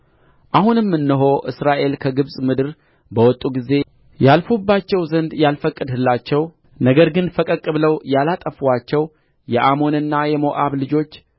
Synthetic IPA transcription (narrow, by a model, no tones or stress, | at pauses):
ʔahunɨmːɨnːɨɦo̞ʔɨsɾaʔe̞lkʰəɡɨβsʼmɨd̪ɨɾ | bəwɔt̪ʼːuɡize̞ | jalfubːat͡ʃːɛwzənd̪jalfəkʼːɨd̪hɨlːat͡ʃːɛw | nəɡəɾɡɨnfəkʼəkʼːɨβləwjalat̪ʼəfwat͡ʃːɛw | jɛʔamo̞nɨnːajɛmo̞ʔaβlɨd͡ʒo̞t͡ʃː